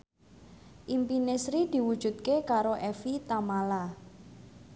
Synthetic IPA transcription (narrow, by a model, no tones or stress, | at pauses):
ʔimpinesɾid̪̥i̤wud̥ʒ̥ṳt̪̚kekaɾoʔɛfit̪amala